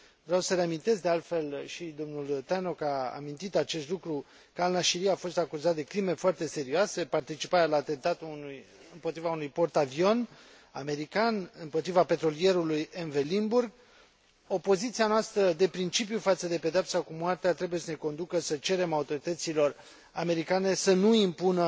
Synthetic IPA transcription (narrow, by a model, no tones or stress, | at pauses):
vɾeawsəɾeamint̪e̞zd̪e̞alt̪fe̞lʃid̪o̞mnult̪ano̞kaa̰mint̪it̪at͡ʃest̪lukɾu | kalnaʃiɾiafo̞st̪akuzat̪̚d̪e̞kɾime̞foart̪e̞se̞ɾioase̞part̪it͡ʃipaɾʲalaːt̪e̞nt̪at̪uunuj | ɨmpot̪ɾivaunujpo̞rt̪avio̞n | a̰me̞ɾikanɨmpo̞t̪ɾivape̞t̪ɾo̞lije̞ɾulujɨnvelimburɡ | o̞po̞zit̪sianoast̪ɾəd̪e̞pɾint͡ʃip̬jufat̪səd̪e̞pe̞d̪eap̚sakumwart̪eat̪ɾe̞buje̞səne̞ko̞nd̪ukəsət͡ʃe̞ɾe̞maut̪o̞ɾit̪ət̪silo̞r | ame̞ɾikane̞sənuimpunə